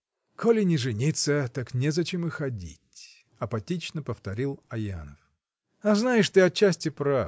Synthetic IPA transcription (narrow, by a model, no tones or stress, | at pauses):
kʰolʲɪnʲɪʐɨnʲit̪sət̪aknʲɛzɐt͡ɕemɨxɐdʲḭtʲ | ɐpɐtʲit͡ɕnəpəft̪ɐɾʲilˠɐja̰nəf | ɐznajɪʂt̪ɨɐt͡ɕːæsʲtʲɪpɾa